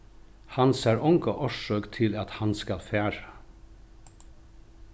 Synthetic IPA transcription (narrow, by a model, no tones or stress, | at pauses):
hɑnsæːɹɔŋɡɔʔɔʃøːkt̪ʰɪlɑt̪hɑnskɑlfæːɹə